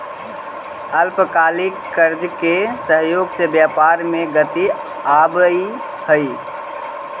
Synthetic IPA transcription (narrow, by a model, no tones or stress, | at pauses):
əlpkalikːəɾd͡ʒkesəɦjoːɡsebjapaɾmeɡət̪i | abi | həj